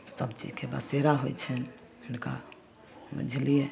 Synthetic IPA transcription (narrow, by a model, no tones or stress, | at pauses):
səbt͡ʃḭd͡ʒkebə̰seɾaɦojt͡ʃʰɛn | inka̰ | bə̰d͡ʒʱlie